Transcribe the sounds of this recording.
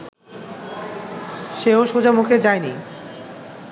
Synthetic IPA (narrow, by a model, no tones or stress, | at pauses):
ʃeoʃod͡ʑamukʰed͡ʑaeni